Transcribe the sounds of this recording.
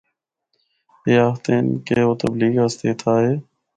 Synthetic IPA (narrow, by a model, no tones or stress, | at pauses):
eːaːxt̪eːnkeːoːt̪əbliːɡɦəst̪eːt̪ʰaːɦeː